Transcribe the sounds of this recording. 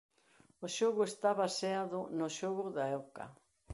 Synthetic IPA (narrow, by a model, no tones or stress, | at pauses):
oʃoɣʊest̪aβaseaðʊnʊʃoɣʊðaɛka̰